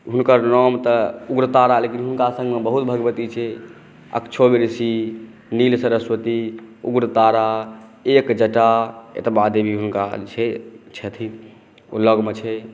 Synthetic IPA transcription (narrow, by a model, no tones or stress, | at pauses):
ɦunkəɾnɔmt̪əuɡɾət̪aɾalekinɦunkasə̃ŋɡmebəɦut̪̚bʱəɡbət̪it͡ʃʰɛ | ə̰kt͡ʃʰobiɾsi | nilsəɾəswət̪iṵɡɾət̪aɾaekd͡ʒəʈaḛt̪bad̪ebʱiɦunka̰t͡ʃʰɛt͡ʃʰɛt̪ʰi | ṵlːəɡmet͡ʃʰɛ